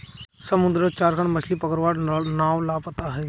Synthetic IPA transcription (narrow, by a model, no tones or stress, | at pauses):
səmʊd̪ɾət͡ʃaːɾkəɳ̃mət͡ʃʰlipəkəɾʋaːɾnaːʋlaːpət̪aɦɛ